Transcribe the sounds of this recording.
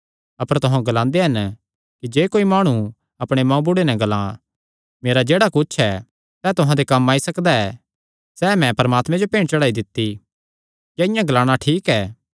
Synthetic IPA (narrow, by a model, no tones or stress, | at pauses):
ɐpəɾt̪ʊɦãɡɐlãːnd̪eɦɐn | kid͡ʒeːkoːimaːɽ̃u | ɐpɽ̃emɐ̃ũbʊɽenɛɡɐlãː | meːɾad͡ʒeːɽakʊt͡ʃʰɛ | sɛːt̪ʊɦãd̪ekɐmːaːisɐkd̪aɛ | sɛːmɛ̃pɐɾmaːt̪mɛ̃d͡ʒopẽːɽ̃t͡ʃɐɽaːid̪ɪt̪ːi | jjɛɪjãɡɐlaːɽ̃aʈʰiːkɛː